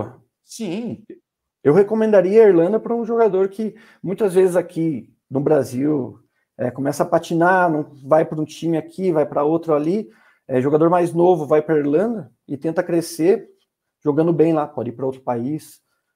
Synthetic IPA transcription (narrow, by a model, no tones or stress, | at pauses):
ɐ | sĩ | ewhekomẽnd̪aɾiɐɐiɾlɐ̃nd̪ɐpɾɐũʒoɡad̪oɾkɪ | mũj̃t̪ɐzvezɪzakʰi | nʊbɾaziw | ɛ̰kõmɛsɐːpat͡ʃinanɐ̃w̃vajpɾɐũt͡ʃĩmɪakʰivajpɾɐot̪ɾʊali | ɛʒoɡad̪oɾmajznovʊvajpɾɐiɾlɐ̃nd̪ɐ | ɪt̪ẽnt̪ɐkɾese | ʒ̥oɡɐ̃nd̪ʊbẽj̃lapɔd͡ʒɪipɾɐowt̪ɾʊ̥pais